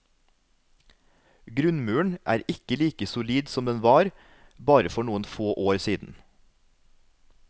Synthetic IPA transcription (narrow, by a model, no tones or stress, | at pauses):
ɡɾʉnmʉːəɳʔæ̰ːɾɪkəliːkəsʊliːd̪sɔmd̪ɛnʋɑːɾ | bɑːɾəfɔɳuːənfoːʔoːɾsiːd̪n̩